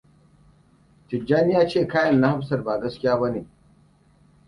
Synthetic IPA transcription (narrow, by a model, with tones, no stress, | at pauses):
tɪ˨d͡ʒa˦nɪ˦jaː˦t͡ʃeː˦˨kaː˦jɐ˨nːa˦ha˦bsɐ˨rbaː˨ɡɐ˦skʲɪ˦jaː˦bɐ˦neː˨